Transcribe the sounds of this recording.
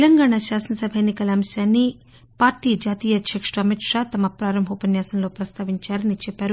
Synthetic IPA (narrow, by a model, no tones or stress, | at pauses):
lɐŋɡaːɳaʃaːsɐnɐsɐbʱɐjnːikɐlɐɐmɐsjaːnːi | paːɾʈiːd͡ʒaːt̪iːjɐd̪ʱjɐkʂɐɐmiʈʂaːt̪ɐmɐpɾaːɾɐmbʱupɐnjaːsɐnlo̞ːpɾɐst̪ʰaːʋiɲt͡ʃaːɾɐnit͡ʃɛpːaːɾu